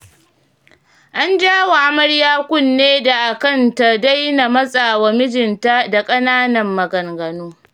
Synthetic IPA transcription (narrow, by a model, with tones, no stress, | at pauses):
ʔa˦nd͡ʒaː˦wa˨ʔa˦mɐ˦ɽjaː˦kʷʊ˦nːeː˦da˨ʔa˨kɐ˦˨nta˨da˦jna˨mɐ˦sʼaː˨wa˨mɪ˦d͡ʒɪ˨nta˦da˨kʼɐ˦naː˦nɐ˨mːɐ˨ɡɐ˨ŋɡɐ˨noː˦